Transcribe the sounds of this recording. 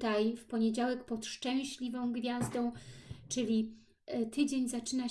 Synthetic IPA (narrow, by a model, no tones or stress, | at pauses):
t̪ajfpɔɲed͡ʑawɛkpɔt̪ʂt͡ʂɛ̃w̃ɕlʲivɔ̃w̃ɡvʲjazd̪ɔ̃w̃t͡ʂɘlʲi | t̪ɘd͡ʑeɲzat͡ʂɘna